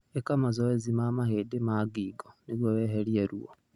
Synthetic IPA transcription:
ekamazoezimamahedemaɡiːɡoniɾwoβeɦeɾieɾwo

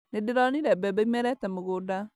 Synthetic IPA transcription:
nedɪɾɔniɾɛbɛbeimɛɾɛtɛmoɣoda

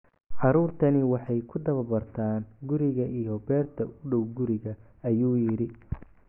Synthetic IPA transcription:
ʕɑɾuːrt̪ʰɐnɪwɑħɑjkʰʊd̪ɐβɐbɐrt̪ʰaːnɡʊɾɪɣɐʔijɔbɛːrt̪ʰɐʔʊɖɔwɡʊɾɪɣɐ | ɐjuːjɪɾɪ

